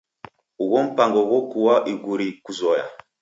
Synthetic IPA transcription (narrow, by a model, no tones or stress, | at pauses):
uwɔm̩paŋɡɔwɔkuwaʔiɡuɾikuzɔja̰